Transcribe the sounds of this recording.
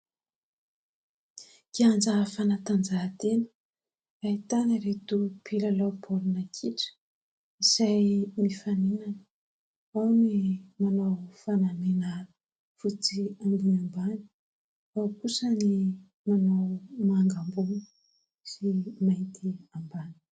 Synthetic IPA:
kiand͡zafanat̪and͡zat̪enə̥ | ait̪anaɾet̪upʰilalawpʰolunakʰiʈ͡ʂə̥ | iz̥ajmifaninanə̥ | awnimanawfanamenaɾə | fut͡siambunambani̥ | awkusəni | manawmaŋɡambuni̥ | simajnt̪iambani̥

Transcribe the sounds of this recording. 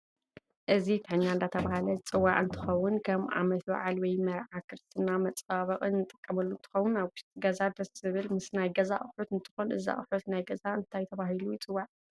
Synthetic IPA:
ʔɨzit̪ʰɨħɨɲːand̪at̪ʰɐβahalɐt͡sʼɨwːaʔʼɨnt̪ʰɨ̥xɐwʊnkʰɐmʔa̰mɐt̪wa̰ʕalwɔjmɐɾʕakʰɨɾɨst̪ʰɨnːamɐt͡sʼaβɐqʼɨnːɨt̪ʼɨ̥kʼːɐmɐlːunt̪ʰɨ̥xɐwːʊnaβwʊʃt̪ʼiɡɐzad̪ɐsɨβɨlmɨsnajɡɐza̰χʼɨħut̪ɨnt̪ʰɨ̥xonʔɨ̰za̰χʼɨħut̪najɡɐzaɨnt̪ʰajt̪ʰɐβahilujɪt͡sʼɨwːaʔ

